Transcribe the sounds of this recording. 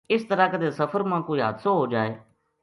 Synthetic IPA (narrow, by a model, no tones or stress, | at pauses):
ɪst̪əɾaːkəd̪eːsəfʰəɾmãːkoːiɦa̰d̪soːɦoːd͡ʒaːḛː